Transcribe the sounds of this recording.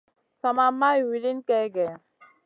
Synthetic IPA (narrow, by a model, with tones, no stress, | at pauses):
sa˨ma˦mːa˦i˨wi˨li˦nkɛ˦ɡɛ˨a˨